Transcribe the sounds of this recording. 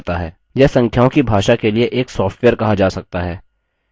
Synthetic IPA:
t̪aɦɛː | jɛːsɐ̃ŋkʰjaːõkibʱaːʃakelieʔeːksɔːfʈʋɛːəɾkɐɦad͡ʒaːsɐk̚t̪aɦɛː

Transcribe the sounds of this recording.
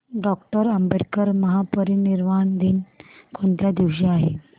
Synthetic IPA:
ɖɔkʈəɾəmbeʈkəɾməɦapəɾiniɾmaɳd̪iːnkʰoɳt̪jad̪iʋɕiaɦḛ

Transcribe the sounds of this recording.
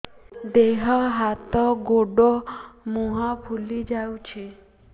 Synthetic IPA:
d̪eɦɔɦat̪ɔɡoɖɔmuɦapʰulid͡ʒawt͡ʃʰe

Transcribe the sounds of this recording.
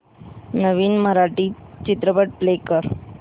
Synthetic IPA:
nəʋiːnməɾaʈiːt͡ɕit̪ɾəbəʈ̚plekəɾ

